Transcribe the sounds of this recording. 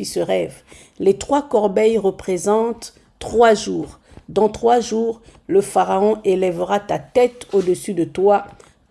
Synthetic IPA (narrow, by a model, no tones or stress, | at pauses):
isəʁɛv | let̪χwakɔʁbɛjʁəpχezɑ̃t̪ː | χwaʒuːʁ | d̪ɑ̃t̪χwaʒuːʁləfaʁaɔ̃ʔelɛvʁat̪at̪ɛt̪od̪əsyd̪ət̪wa